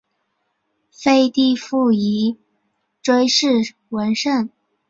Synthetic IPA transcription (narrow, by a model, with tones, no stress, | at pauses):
fe˥˧ɪt̪i˥˧fu˥˩i˧˥ | ʈ͡ʂwe˥ɪʂɻ̩˥˩ | wə˧˥nʂə˥˩n